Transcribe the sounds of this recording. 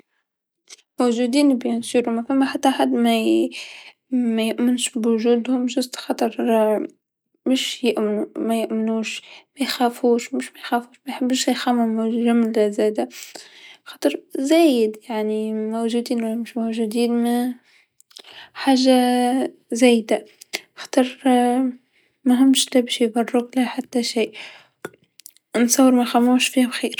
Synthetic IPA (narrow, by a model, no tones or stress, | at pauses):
mowʒud̪iːnbjʊnsiːɾumæfæmːæħat̪ːaʔaħad̪mæ | mɛjʊʔmɪnʃbwʊʒuːd̪hʊmʒʊst̪xɑt̪ˤɨɾˤ | mɪʃjɪʔmɪnumɛjʊʔmɪnuːʃmɛjxæːfuːʃmʊʃmɛjxæːfuːʃmɛjħɪbːʃjxæmʊmʒʊmlæzæːd̪a | xɑːt̪ˤɨɾzæːjɪd̪jaʕnimowʒuːd̪iːnwhɪmʃmowʒud̪iːnm | ħaːʒa | zæːjd̪axɑ̥t̪ˤɨɾ | mʊɦɪmːʃlæbɪʃjbɑrˤːʊklaħat̪ːaʃiːʔ | nsˤɑwːəɾmæjxamːuːʃfiːhabxiːɾ